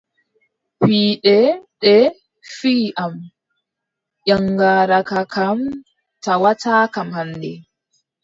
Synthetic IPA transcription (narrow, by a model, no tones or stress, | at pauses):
piːɗɛɗɛ | fiːʔam | ʔɔŋɡaːɾakakam | tawatʰakamhandɛ